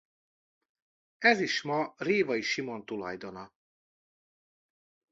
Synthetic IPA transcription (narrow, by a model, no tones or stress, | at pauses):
ɛziʃmɒreːvɒiʃimo̞nt̪ulɒ̰jd̪o̞nɒ